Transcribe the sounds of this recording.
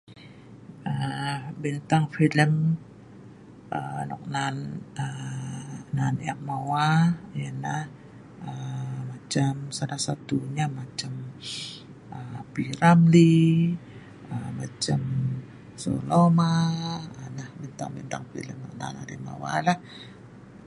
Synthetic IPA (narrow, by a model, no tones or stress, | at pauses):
ʔəbint̪aŋfiləm | ʔənɔ̰k̚nanə | naniaʔ̚mawajanah | əmat͡ʃamsalahsat̪uɲamat͡ʃam | əpiɾabli | əmat͡ʃam | so̰lomaənahbint̪a̰ŋbint̪a̰ŋfḭləmnɔk̚na̰na̰ɾima̰wa̰lah